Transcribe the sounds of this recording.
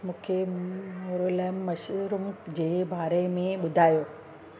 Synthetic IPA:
mũːkʰeoɾolaːɪmmːɐʃɾʊmd͡ʑeːbaːɾemẽɓʊd̪ʱaːjoː

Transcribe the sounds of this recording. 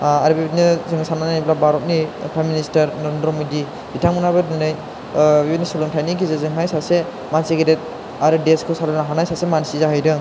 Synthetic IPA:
aɾɯbibnizɯŋsananajblabaɾɔt̚nipʰɾajministaɾnaɾendɾɔmɔdi | bitʰaŋɯnabɯdɯnɯj | bibitnisulɯmtʰajnikizezɯŋmajsase | manseɡeɾet̚ | aɾɯdeskʰɯsalɔnaɦanajsasemansizaɦɯjdɯŋ

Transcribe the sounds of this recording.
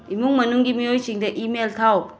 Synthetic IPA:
imuŋmɐnuŋɡimijojsiŋdɐʔimeltʰaw

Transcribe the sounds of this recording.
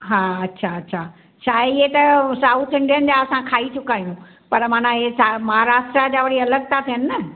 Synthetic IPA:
ɦaːɐtːɕʰaɐtːɕʰaː | ʃaːɦeɪɦet̪ɐsaːʊt̪ʰɪ̃ɳɖijənɪ̆d͡ʑaːɐsãkʰaːit͡ɕʰʊkaːijũ | pɐɾmãːnãesamɐɦaːɾaːʃʈɾad͡ʑaːʋɐɽ̤iɐləɡ̚t̪ʰat̪ʰiɦənɪnɐ

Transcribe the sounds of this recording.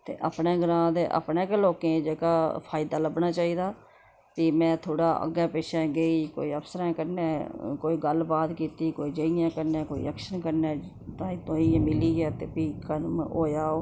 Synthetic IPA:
t̪ḛːʔə̰pneːɡəɾãːd̪eːʔə̰pnẽːkəloːkẽːd͡ʒəːkaːpʰaːɪd̪aːləbnaːt͡ʃaːiːd̪aː | piːmɛ̃ːt̪ʰoːɽaːʔə̰ɡɛ̃ːpeːʃɛ̃ːɡəiːko̰ːiːəfsəɾɛ̃ːkəɾnẽːkoːiːɡəlbaːt̪kiːt̪iːkoːiːd͡ʒəijãːkəɾneːkoːḭːɛkʃənkəɾneː | t̪ãːĩt̪oːĩːmɪliːɛːt̪eːpiːkənmoːjaːoː

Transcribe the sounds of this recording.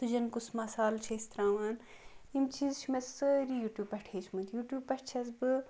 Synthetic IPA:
t̪ud͡ʒɐnkusmɐsaːlt͡ʃʰɐist̪ɾaːʋaːn | imt͡ʃʰizt͡ʃʰumɐsəɾijuːʈjuːpːɐʈʰeːt͡ʃʰmut̪juːʈjuːbpɐʈt͡ʃʰɐzbɨ

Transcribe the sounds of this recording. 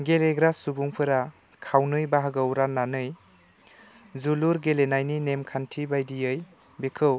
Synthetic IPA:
ɡeleɡɾasubuŋpʰɯɾa | kʰawnɯjbaɦaɡɯwɾanːanɯj | zuluɾɡelenajninemkʰantʰibajdijɯj | bekʰɯw

